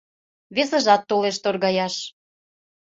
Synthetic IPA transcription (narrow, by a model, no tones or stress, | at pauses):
βesə̆ʒɑt̪ːoleʃt̪orɣɑjɑʃ